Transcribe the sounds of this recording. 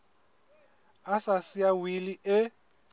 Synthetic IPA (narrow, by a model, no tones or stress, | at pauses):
asasiawiliʔɪ